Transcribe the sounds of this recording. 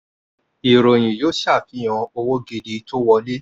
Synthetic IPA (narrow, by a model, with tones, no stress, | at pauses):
i˨ɾo˨j̃ĩ˨jo˦ʃa˦˨fĩ˨˦ã˧o˧wo˦ɡe˦˧˨di˧˦to˦wɔ˧le˦